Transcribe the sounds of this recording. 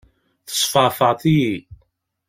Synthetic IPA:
θə̥sˤfəʁfəʁt̪iji

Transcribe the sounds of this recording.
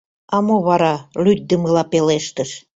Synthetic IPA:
ɑmoβɑɾɑlyt̪̚ʲd̪əməlɑpeleʃt̪ə̆ʃ

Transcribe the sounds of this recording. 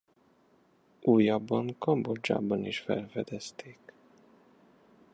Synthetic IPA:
ʔuːjaːbːɒŋkɒmbod͡ʒa̰ːbɒniʃfɛ̰lfɛd̪ɛst̪ʰeːk

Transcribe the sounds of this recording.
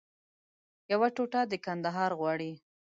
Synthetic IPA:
jawaʈoʈad̪əkand̪aɦɑɾɣwɑɽi

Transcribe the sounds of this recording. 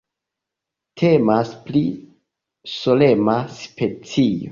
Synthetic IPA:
tʰe̞maspli | so̞le̞maspe̞t͡sio̰

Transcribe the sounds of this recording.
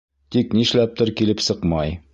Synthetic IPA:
t̪iknĭʃlæp̚t̪ɤɾkilɘpsɤqmɑj

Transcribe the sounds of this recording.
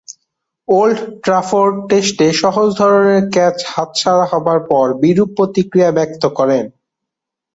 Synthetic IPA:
olɖʈɾafoɾʈesʈeʃɔɦod͡ʑd̪ʱɔɾoneɾkɛt͡ɕhat̪̚t͡ɕʰaɾaɦɔbaɾpɔɾbiɾupːot̪ikɾijabɛk̚t̪okɔɾen

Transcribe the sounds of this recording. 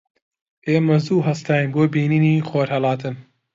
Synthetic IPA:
ʔeːmɐzuːɦɐst̪ʰaːjinboːbiːniniːxoːɾhɐlɑːt̪ɨn

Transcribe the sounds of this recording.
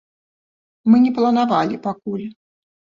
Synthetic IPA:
mɨnʲɛplˠɐnavalʲipakulʲ

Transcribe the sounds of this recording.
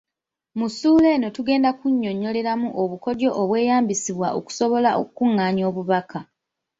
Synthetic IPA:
musuːle̞no̞tuɡe̞ːndakuɲːo̞ɲo̞le̞ɾamuʔo̞βuko̞do̞ʔːβwe̞ːjaːmbisiβwaʔo̰ku̥so̞βo̞laʔo̰kkuŋːaːɲo̞ːβuβakʰa

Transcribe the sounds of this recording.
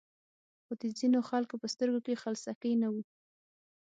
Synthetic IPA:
xod̪əzinoxalkopəst̪əɾɡokexalsakəjnawu

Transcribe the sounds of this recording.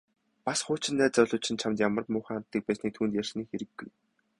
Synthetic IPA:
pasχʊːt͡ɕɪ̆nːæːt͡sœɮʊːt͡ɕʰɪ̆nt͡ɕʰamt̪jamə̆rt̪mʊːχaːn̥t̪ːiːk̚pæːsniːk̚t̪ʰuːnt̪jær̥sniːkxeɾɘ̆ɡːṵj

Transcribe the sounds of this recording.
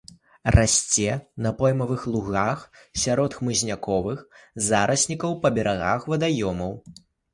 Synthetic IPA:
rasʲt͡sʲɛnɐpɔjmɐvɨxlˠuɣaxsʲaɾɔt̪xmɨzʲnʲakɔvɨxzaɾʔɐsʲnʲikɐwpɐbʲɛɾaɣaxvɐd̪ajɔmɐw

